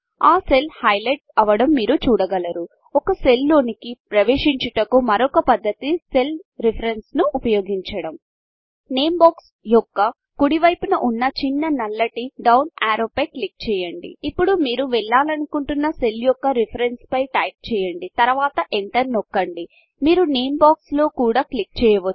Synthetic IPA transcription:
aːse̞lhɐjlɐʈɐʋɐɽɐmːiːɾut͡ʃuːɽɐɡɐlɐɾu | ɔkɐse̞lːo̞ːnikipɾɐʋeːʂiɲt͡ʃɐʈɐkumɐɾɔkɐpɐd̪ːɐt̪ise̞lɾipʰɐɾensnuʔːpɐjo̞ːɡiɲt͡ʃɐɽɐm | neːmbaːks | jɔkːɐ | kuɽiʋɐjpunɐʔunːɐt͡ʃinːɐnɐlːɐʈiɖɐwnaːɾoːpɐjklik̚t͡ʃɛːjɐɳɖḭːpːuɽumiːɾuʋɛɭːaːlɐnukuɳʈunːɐse̞ljɔkːɐɾɛpʰɐɾenspɐjʈɐjp̚t͡ʃɛːjɐɳɖit̪ɐɾʋaːt̪ɐʔeɳʈɐɾnɔkːɐɳɖi | miːɾuneːmbaːkslo̞ːkuːɽaːklik̚t͡ʃɛːjɐʋɐ

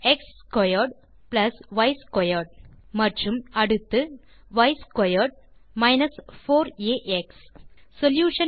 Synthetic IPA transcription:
ekskɔjɐɾɖ | plɐsʋɐɪskɔjɐɾɖ̚mɐʈrumɐɽut̪ːɨ | ʋɐɪskɔjɐɾɖmɐɪnɐsfoːɾeːʔekssoljuːʂɐ

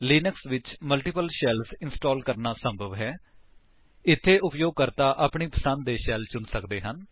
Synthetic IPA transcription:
liːnəksʋɪt͡ʃməlʈɪpəlʃɛːlsɪnsʈoːlkəɾnaːsəmbʱəʋɦɛː | ɪt̪ʰːeːʔʊpjoːɡ̚kəɾt̪aːʔaːpɳiːpəsənd̪̚d̪eːʃɛːlt͡ʃʊnsəkd̪eːɦən

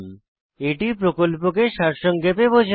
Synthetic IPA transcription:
m | eʈipɾokolpokeʃaɾʃɔŋɡepebod͡ʑʱ

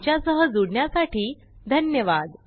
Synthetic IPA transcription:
t͡ɕjasəɦəd͡zuɽɳjasaʈiː | d̪ʱənjəʋad̪

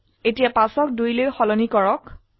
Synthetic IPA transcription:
etijapasɔk̚dujlojxɔlɔnikɔɹɔk

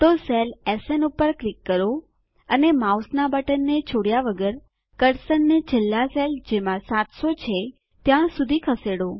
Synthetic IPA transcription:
t̪oselesenupəɾklikːəɾo | ənemausnabəʈənːet͡ʃʰoɽjaʋəɡəɾ | kəɾsənːed͡ʒɪlːaseld͡ʒemãsat̪sot͡ʃʰe | t̪jãsud̪ʱikʰəseɽo

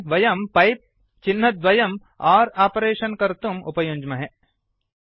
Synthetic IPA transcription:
ʋɐjɐmpɐjp̚ | t͡ʃinːɐt̪ʋɐjɐm | aːɾaːpɾeːʃɐnkɐɾt̪umṵpɐjuɲd͡ʒmɐɦe

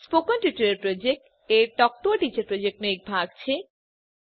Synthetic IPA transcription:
spokɔnʈjuʈɐɾeɾpɾod͡ʑek̚ʈ | eɾʈɔk̚ʈ̪oaʈit͡ɕaɾpɾod͡ʑek̚ʈnoek̚bʱaɡ̚t͡ɕʰe

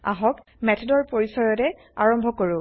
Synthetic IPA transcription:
a̰ɦɔk | mɛtʰɔdɔɹpoɹisɔjɔtɛ | aɹɔmbʱɔkoɹʊ̃

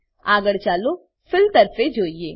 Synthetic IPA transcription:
aːɡəɽt͡ʃaːlo | fɪlt̪ɐɾfed͡ʒoːieː

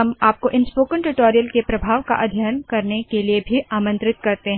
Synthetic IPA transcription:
ɦɐmaːp̚koʔɪnspoːkəɳʈuʈoːɾijəlkepɾɐbʱaːʋka̰ʔɐd̪ʱjaːnkɐɾnekeliebʱiʔaːmə̃nt̪ɾɪt̪̚kɐɾt̪eɦɛ̃

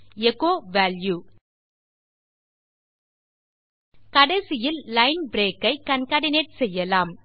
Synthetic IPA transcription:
ɛkoːʋaːlju | kɐɽɐɪsɪjɪllɐɪnbɾeːkːɐɪkɐnkaːɽɪneːʈ̚sɛjːɐlaːm

